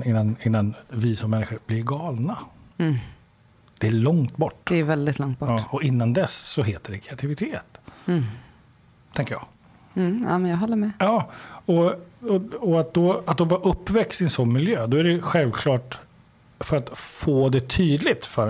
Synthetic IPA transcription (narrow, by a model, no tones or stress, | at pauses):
ɪnːanɪnːanvɪsɔmmɛnːɪɧəɾblɪɾɡɑːlna | d̪̥ɛæɭɔŋt̪bɔʈːd̪ɛvɛld̪ɪt̪ʰlɔŋt̪̚bɔɑːɔɪnːand̪ɛsːɔɦeːt̪əɖɛkʰɾɛat̪ʰɪvɪt̪ʰeːt̪ | t̪ʰɛŋkəjɑ̰ːɡ̩ | a̰mɛnjɑɦɔlːəmɛjɑːɔɔɔat̪̚d̪ɔat̪̚d̪ɔvɑɾʔɵpːvɛkst̪ɪnsɔnmɪljøːd̪ɔæɾɛɧɛlvkʰlɑːʈ | fœɾat̪foːd̪ɛt̪ʰyːd̪lɪt̪fœɾ